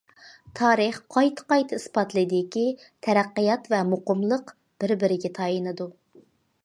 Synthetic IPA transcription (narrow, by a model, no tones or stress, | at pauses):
t̪ʰɑːɾɨχqʰɑjt̪ʰə̥qɑjt̪ʰɨispɑt̪lˠɨd̪ɪkʲi | t̪ʰɛɾæqːɨjɑt̪vɛmoqəmlˠəq | b̥ɪɾbɪɾɪɡʲɛt̪ʰɑjinɨd̪u